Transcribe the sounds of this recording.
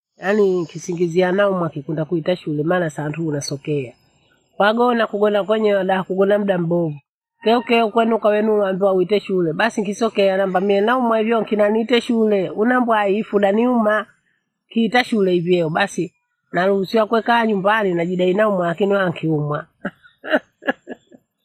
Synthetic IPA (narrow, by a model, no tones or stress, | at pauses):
janiŋkisiŋɡizianaumwakikundakuitaʃulɛmaːnasantuːnasɔkɛa | kwaɡɔnakuɡɔnakwɛɲɛwaɗaakuɡɔnam̩ɗam̩bɔvu | kɛukɛukwɛnukawɛnuwanduauitɛʃulɛbasiŋkisɔkɛanambamiɛnaumwaivjɔŋkinaniːtɛʃulɛunambwaifuɗaniuma | kiitaʃulɛivjɛɔbasi | nalusiwakwɛkaɲumbaninaʄiɗainaumwalakinihaaŋkʰiumwa